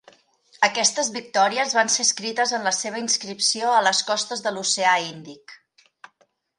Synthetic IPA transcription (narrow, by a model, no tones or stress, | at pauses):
əkɛst̪əzβik̚t̪ɔɾiəzβanseskɾit̪əzənləseβ̞əinskɾipsioələskɔst̪əzðəluseaind̪ik